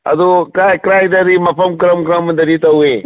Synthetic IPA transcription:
ɐ̰d̪okɾaːkɾaːjd̪ɐɾimɐpʰɐmkɾɐmkɾɐmd̪ɐɾit̪ɐɦueː

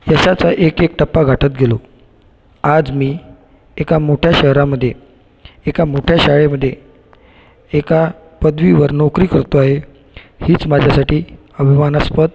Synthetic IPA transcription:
jəɕat͡saʔekek̚ʈəpːaɡʱaʈʰət̪̚ɡelo | ad͡zmiː | ekamoʈʰjaɕəɦɾaməd̪ʱːje | ekamoʈʰjaɕaɭeməd̪ʱːje | eka | pəd̪ʋiʋəɾnokɾiːkəɾt̪oaɦe | hiːt͡smad͡ʑʱjasaʈiː | əbʱimanaspət̪̚

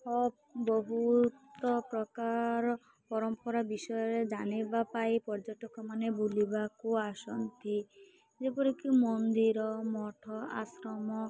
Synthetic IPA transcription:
ɔ | bɔɦut̪ɔpɾɔkaɾɔ | pɔɾɔmpɔɾabisɔjɔɾed͡ʒanibapajpɔɾd͡ʒɔʈɔkɔmanebulibakuasɔnt̪i | d͡ʒepɔɾikimɔnd̪iɾɔmɔʈʰɔa̰sɾɔmɔ

